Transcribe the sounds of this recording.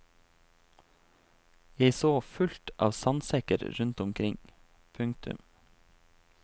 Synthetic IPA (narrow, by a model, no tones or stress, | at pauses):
jeɪsoːfʉlt̪ʰʔɑ̰ːʋsɑnsɛkə̰ɾɾʉnt̪ʊmkʰɾɪŋ | pʰʉŋkt̪ʉ̰m